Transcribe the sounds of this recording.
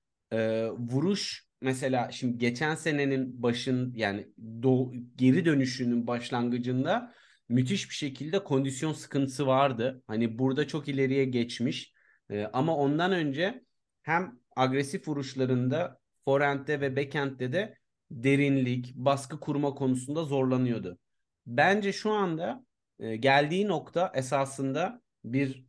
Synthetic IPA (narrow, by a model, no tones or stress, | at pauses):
ɛːvuɾuʃ | mɛs̬e̞lʲaːʃimd̪iɟe̞t͡ʃʰænse̞ne̞ninbaʃɯnjaːnid̪oɟe̞ɾid̪ø̞nyʃyːnynbaʃlˠanɡɯd͡ʒɯnd̪a | myt̪ʰiʃbi̥ʃe̞cʰilʲd̪ɛkʰo̞nd̪isjo̞nsɯ̥kʰɯnt̪ʰɯ̥sɯvaɾd̪ɯhanibuɾd̪at͡ʃʰo̞kilʲe̞ɾijɛɟɛt͡ʃmiʃː | ʔamao̞nd̪anø̞nd͡ʒɛ | hæm | aɡɾesifuɾuʃlˠaɾɯnd̪a | fo̞ɾænt̪lɛvɛbecʰænt̪lʲɛd̪ɛ | d̪e̞ɾinlʲicbaskɯkʰuɾmakʰo̞nusund̪azo̞ɾlˠanɯjo̞d̪ʊ | bænd͡ʒɛʃuand̪a | ɯːɟælʲd̪iːno̞kt̪ʰaʔes̬aːsɯnd̪a | biɾ